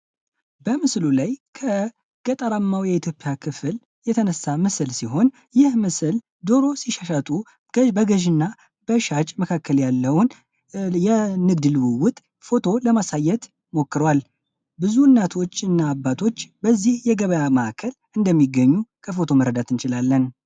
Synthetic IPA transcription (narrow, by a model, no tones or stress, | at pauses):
bəmɨslulajkʰə | ɡ̥ət̪ʼəɾamːawjɛit̪ʰjo̞pʼjakʰɨfɨl | jɛt̪ʰənəsːamɨslsiɦo̞n | jɪhmɨsɨl | d̪o̞ɾo̞siʃaʃat̪ʼu | bəɡəʒɨnːa | b̥əʃat͡ʃʼməkʰakʰːəljalːəwn | jɛnɨɡd̪ɨlwɨwʊt̪ʼ | fo̞t̪ʰo̞ləmasajːɛt̪ | mo̞kːɨɾwal | bɨzunːat̪ʰo̞t͡ʃːɨnːaːbːat̪ʰo̞t͡ʃːbəzːihjɛɡəβəjaməakʰːəl | ɨnd̪əmːiɡəɲːukʰəfo̞t̪ʰo̞məɾəd̪at̪ʰɨnt͡ʃɪlalːən